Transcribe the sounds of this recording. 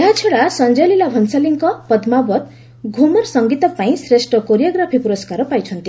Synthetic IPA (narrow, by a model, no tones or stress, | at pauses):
eɦat͡ʃʰeɽasʌnd͡ʒalilabʱʌnsaliŋkɔpʌd̪mabɔt̪ | ɡʱumʌɾsʌŋɡit̪ɔpaĩsɾesʈʌkoɾijaɡɾapʰipuɾɔskaɾɔpajt͡ʃʰʌnt̪i